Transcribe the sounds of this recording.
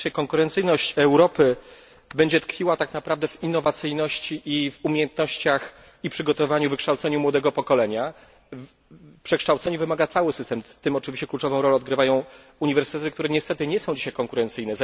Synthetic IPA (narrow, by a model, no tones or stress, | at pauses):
ajkɔŋkuɾɛnt̪sɘjnɔɕt͡ɕɛwɾɔpɘ | bɛɲd͡ʑɛt̪kfʲiwat̪aknapɾavd̪ɛvinːɔvat̪sɘjnɔɕt͡ɕiʔivumʲjejɛnt̪̚nɔɕt͡ɕax | ipʂɘɡɔt̪ɔvaɲuvɘkʂt̪awt̪sɛɲumwɔd̪ɛɡɔpɔkɔlɛɲa | pʂɛkʂt̪awt̪sɛɲuvɘmaɡat̪sawɘsɘst̪ɛmft̪ɘmɔt͡ʂɘvʲiɕt͡ɕɛklut͡ʂɔvɔ̃w̃ɾɔlɛɔd̪̚ɡɾɘvajɔ̃w̃ | uɲivɛɾsɘ̥t̪ɛt̪ɘkt̪uɾɛɲɛst̪ɛt̪ɘɲɛsɔ̃w̃d͡ʑiɕajkɔŋkuɾɛnt̪sɘjnɛz